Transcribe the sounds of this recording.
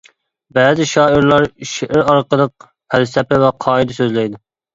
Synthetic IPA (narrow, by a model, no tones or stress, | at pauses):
bæːzɪʃɑːiɾlˠɑɾʃeʔɪɾɑɾqəlˠəq̚ | pʰælsɛpɪvɛqʰɑːid̪ɛsøzlɛjd̪ɪ